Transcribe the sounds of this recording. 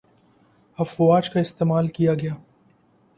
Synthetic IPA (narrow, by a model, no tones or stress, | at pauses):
ɐfwaːd͡ʒkaɪst̪eːmaːlkijaɡɐjaː